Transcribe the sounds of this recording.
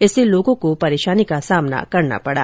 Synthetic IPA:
ɪseloːɡõkopɐɾeːʃaːnikasaːmna̰kɐɾna̰pɐɽa̰ː

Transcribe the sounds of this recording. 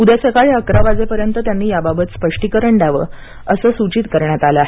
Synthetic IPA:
ud̪asekaɭeəkɾaʋad͡zepəɾjənt̪ət̪janːiːjababət̪spəʂʈikəɾəɳɖaʋə̰ | əsəːsut͡ɕiːt̪kəɾɳjat̪aləaɦe

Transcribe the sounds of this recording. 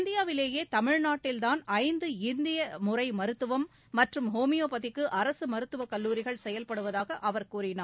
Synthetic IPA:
nd̪ɪjaːʋɪleːjeːt̪ɐmɪɻnaːʈːɪlt̪aːnɐɪnd̪ɯɪnd̪ɪjɐmʊrɐɪmɐɾɯt̪ːɯʋɐmː | ɐʈrɯmɦoːmɪjoːpɐðɪkːɯʔɐɾɐsɯmɐɾɯt̪ːɯʋɐkɐlːuːɾɪɣɐɭsɛjɐlpɐɽɯʋɐðaːɣɐʔɐʋɐɾkuːrɪnaː

